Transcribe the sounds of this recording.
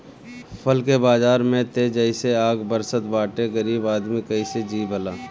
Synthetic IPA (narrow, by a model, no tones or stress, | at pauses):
pʰəlkebaːzaːɾmẽt̪ed͡ʒəɪseaːɡbəɾsət̪baːʈeɡəɾiːbaːd̪mikəised͡ʒiːbʱəlaː